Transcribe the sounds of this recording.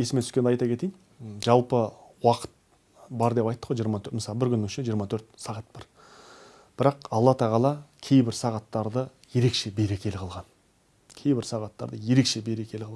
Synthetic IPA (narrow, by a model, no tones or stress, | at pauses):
e̞sɪmet̪ʰʏ̥skʲend̪ɑjt̪ɑkʰʲe̞t̪ejn | ʒɑlˠpəwɑqə̥t̪̚ | bɑɾd̪e̞pɑjt̪ːəqwojʒijəɾmɑt̪ʰøməsɑlˠbɪɾkʲʰʏnʃeʒijəɾmɑt̪ʰɵɾt̪sɑʁɑt̪̚bɑɾ | b̥ɪɾɑqɑlˠːɑt̪ʰɑʁɑlˠɑkʲʰe̞jbɪɾsɑʁɑt̪ːɑɾd̪ə | je̞ɾe̞kʃe̞beɾe̞kʲʰe̞lɪqʰlˠʁɑn | kʲʰe̞jbɪɾsɑʁɑt̪ːɑ̰ɾd̪əje̞ɾe̞kʃe̞be̞ɾe̞kʲʰe̞lɪqʰlˠ